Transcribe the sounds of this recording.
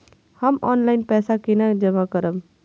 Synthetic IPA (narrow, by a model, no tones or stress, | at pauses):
həmɔːnlaɪnpɛːsakinad͡ʒəmakəɾəm